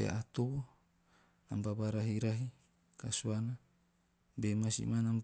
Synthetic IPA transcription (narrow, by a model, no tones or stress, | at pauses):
ḛʔat̪oo | nambabaɾaɦiɾaɦi | kasuana | bemasḭmanam